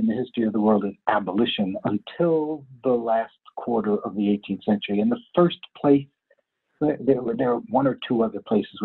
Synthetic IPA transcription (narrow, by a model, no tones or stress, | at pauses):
ɨ̃nðɨhɪstɹ̥iʌvðəwɜ˞lˠdɨ̃nʔæbəlɪʃɨ̃nə̃ntʰɪlˠðəlæskʰw̥ɔɹɾə˞ʔʌvðieɪtʰĩnθsɛ̃nt͡ʃə˞iɨ̃nðəfɜ˞spʰl̥eɪs | əðə˞ðə˞əwʌ̃nə˞tʰuʌðə˞pʰl̥eɪsɨz